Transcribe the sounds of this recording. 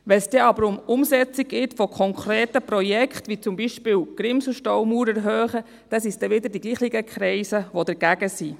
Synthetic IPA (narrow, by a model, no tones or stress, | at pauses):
ʋɛnsd̥ɛɑbəɾʊmʊmsɛt͡siɡ̚ɡɪtfɔkʰɔŋkʰɾɛːtəprɔjɛkχt̪ʋit͡sʊmbiʃpɪːwɡ̥ɾɪmsl̩ʃtɔwmuːɾɛɾɦœːχə | d̥ɛsisd̥ɛʋɪd̪əɾdiɡ̥liːχiɡəkʰɾɛɪsəʋɔd̥̪ɛɾɡ̥æɡəsi